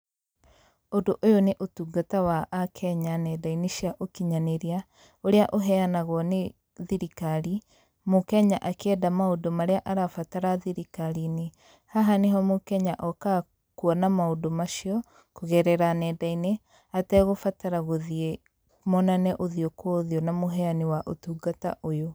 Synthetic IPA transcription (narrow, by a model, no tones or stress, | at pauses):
odoʔojoneʔotuɡatawaʔːkʰɛɲanɛdaineʃiaʔokiɲaneɾia | oɾeaʔoɦɛanaɣwɔne | ðiɾikaɾi | mokɛɲaʔakɛdamaodomaɾeaʔaɾafataɾaðiɾikaɾine | haɦaneɦɔmokɛɲaʔɔka | kuɔnamaodomaʃiɔ | koɣɛɾɛɾanɛdaine | atɛɣofataɾaɣoðie | mɔnanɛʔoðiokwɔðiɔnamoɦɛanewaʔotuːɡata̰ʔojo